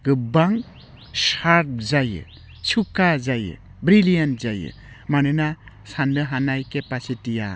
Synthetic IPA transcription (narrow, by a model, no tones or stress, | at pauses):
ɡɯbaŋ | saɾp̚zajɯ̰ | t͡ʃʰukazajɯ̰ | bɾilijanzajɯ̰ | manɯna | sandɯɦanajkepasitija̰